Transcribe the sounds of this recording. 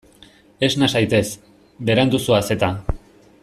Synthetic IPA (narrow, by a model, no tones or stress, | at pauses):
e̞snasajt̪e̞s | beɾand̪usuase̞t̪a